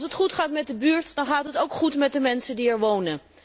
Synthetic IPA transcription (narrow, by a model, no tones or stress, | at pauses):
sɦətχutχaːtmɛt̚dəbyːɹtdɑnχaːtɦətowkχutmɛt̚dəmɛnsəndiɛɹʋownən